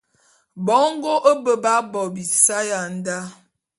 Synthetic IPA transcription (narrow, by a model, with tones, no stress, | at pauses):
bɔ˨˦ŋ˦ɡo˦ʔə˦bə˨ba˦bɔ˨bi˨sa˦ja˨n̩˦da˦